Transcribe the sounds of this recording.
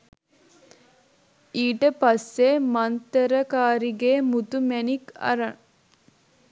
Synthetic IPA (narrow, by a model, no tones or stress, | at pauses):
iːʈəpɐsːeːmɐnt̪əɾəkaːɾiɡeːmut̪umænikɐ̰ɾɐŋ